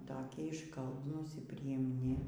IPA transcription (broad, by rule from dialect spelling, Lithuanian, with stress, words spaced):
ˈtoːkʲiɛ ɪʃˈkɐlˠbnuːs ɪr pʲrʲɪjɪmʲˈnʲɪ